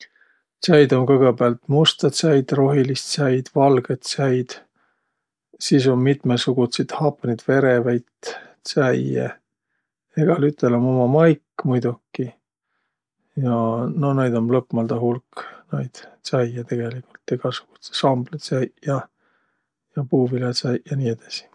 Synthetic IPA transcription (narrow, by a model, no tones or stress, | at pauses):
t̪sæjd̪o̞nkɤɡ̥ebeɑlt̪must̪ɑt̪sæjd̪̥ro̞ɦilist̪sæjd̪̥vɑlɡ̥et̪sæjd̪̥ | siːs̬o̞nmit̪mesuɡ̥ut̪sit̪hɑpːɑnid̪̥ve̞ɾevæjt̪ | sæjḛ | eɡ̥ɑlyt̪ːˑelomomɑmɑjkːmujd̪̥ukːi | jɑno̞nejd̪̥o̞mlɤpmɑld̪ɑɦulknɑjd̪̥sæjet̪e̞ɡ̥e̞likult̪ːˑeɡ̥ɑsu̥ɡ̥u̥t̪se̥sɑmblet̪sæjjɑ | jɑpuːvilet̪sæjjɑniːed̪̥ɑsi̥